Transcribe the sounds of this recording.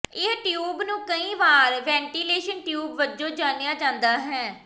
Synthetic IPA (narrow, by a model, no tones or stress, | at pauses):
ɪɦʈjuːbnũːkəĩːʋaːɾʋɛ̃ːɳʈiːleːʃənʈjuːbʋəd͡ʒõːd͡ʒaːnejaːd͡ʒãːnd̪aːɦɛː